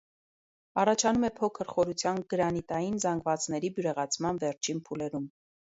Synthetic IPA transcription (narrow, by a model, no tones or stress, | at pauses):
ɑrɑt͡ʃʰɑnumɛpʰɔkʰəɾχɔɾut͡sʰjɑnɡəɾɑnit̪ɑjinzɑŋɡvɑt͡sn̪ɛɾibjuɾɛʁɑt͡sʰmɑnvɛɾt͡ʃʰinpʰulɛɾum